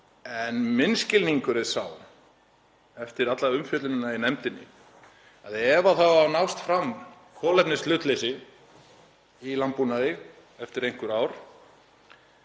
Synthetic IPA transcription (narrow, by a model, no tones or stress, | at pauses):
ɛnmɪnscɪlniŋkʏɾɪðsaw | ɛft̪ɪɾat̪laʏmfjœːt̪lʏnɪnainɛmt̪ɪnːɪ̰ | aðɛvaθawawnawst̪fɾam | kʰɔːlɛpnɪslʏːt̪lejsɪ | ilampunaðɪ | ɛft̪ɪɾejŋ̥kʏɾaːwɾ̥